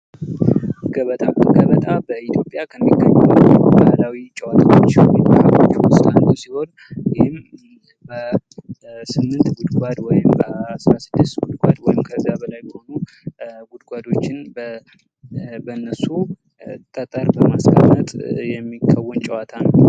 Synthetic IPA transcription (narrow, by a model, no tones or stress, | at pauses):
ɡəβət̪ʼaɡəβət̪ʼabəʔit̪ʰjo̞pʼjakʰəmːikːəɲːɛmubahlawit͡ʃʼɛwat̪ʰawot͡ʃːmːimːəhafʰo̞̰t͡ʃːwʊst̪ʼand̪usiho̞n | jɪhɪm | bə | sɨmːɨnt̪ɡʊd̪ɡʷad̪wɔjɪmbəasɾasɨd̪ːɨst̪ɡʊd̪ɡʷad̪wɔjɪmkʰəzijabəlajbɛho̞nu | ɡʊd̪ɡʷad̪o̞t͡ʃːɪnbə | bənːəsu | t̪ʼːət̪ʼːəɾbəmaskʰʼəmːət̪ʼjɛmːikʰːəwːɔnt͡ʃʼɛwat̪ʰanəw